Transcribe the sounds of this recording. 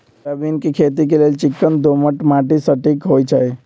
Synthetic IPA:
əbinkekʰet̪̬ikeleːlt͡ʃɪkːənd̪oməʈmãːʈisəʈikɦoːjt͡ʃʰəj

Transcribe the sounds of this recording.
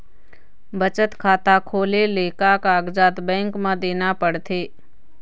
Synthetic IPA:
bət͡ʃət̪kʰaːt̪akʰoːleleːkakaːɡd͡ʒaːt̪bɛ̃ːŋkmãd̪eːnapəɽt̪ʰeː

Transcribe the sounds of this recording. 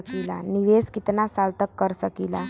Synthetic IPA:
kilaniʋeskit̪nasalt̪əkːəɾsəkila

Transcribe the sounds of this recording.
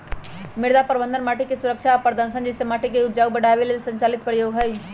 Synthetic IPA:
mɪɽd̪apɐɾʋə̃nd̪ənmaːʈikesuɾəkʃapəɾd̪ənsənd͡ʒesemaːʈik̬eʊd͡ʒaːubɐɽ̤ʱaʋelesə̃ɲt͡ʃaːlɪt̪̚pɾjoːɡɦɐj

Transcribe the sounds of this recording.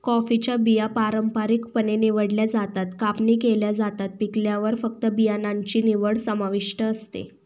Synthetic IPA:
kɔfit͡ɕjabijapaɾəmpaɾikpəneniʋəɽljad͡zat̪at̪kapɳiːkeljad͡zat̪at̪̚pikljaʋəɾfəkt̪əbijanaɲt͡ɕiːniʋəɽsəmaʋiʂʈəːst̪ḛ

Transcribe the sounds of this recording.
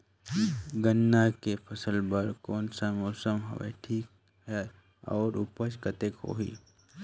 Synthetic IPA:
ɡənːakepʰəsəlbəɾkɔːnsamoːsəmɦə̰ʋḛʈʰiːk | ɦɛ | ɔ̰ːɾʊpəʃkət̪ekɦo̰ːɦḭː

